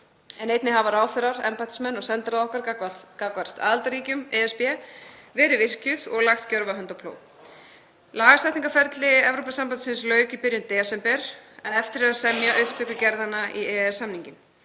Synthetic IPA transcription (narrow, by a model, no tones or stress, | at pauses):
ɛnejt̪nɪhavaɾaːwθɛɾaɾɛ̰mpat̪ɪ̥smɛnːɔɣsɛnt̪ɾaðɔhkaɾkakvar̥st̪a̰ðalt̪aɾiːcʏmɛɛspjɛvɛːɾɪvɪr̥cʏðɔɣlaxt̪cœɾvaɦœnt̪apʰlo̰ːw | laːɣasɛjt̪niŋkafɛɾt̪lɪɛvɾopasampant̪sɪnslœːɥcipɪɾjʏmt̪ɛɛsɛmpɛɾ̥ɛnɛft̪ɪɾɛasɛmjaʔʏhpt̪ʰœːkʏcɛɾðanːaʔiɛɛsːamniɲcɪm